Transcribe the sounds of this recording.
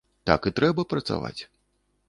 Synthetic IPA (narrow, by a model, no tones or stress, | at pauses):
t̪a̰kit̪ɾɛbɐpɾɐt̪sa̰va̰t͡sʲ